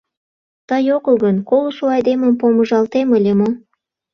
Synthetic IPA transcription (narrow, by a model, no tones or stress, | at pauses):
t̪ɑjokəlˠɡənkolˠuʃuɑjd̪eməmpomə̆ʒɑlt̪eməlʲemo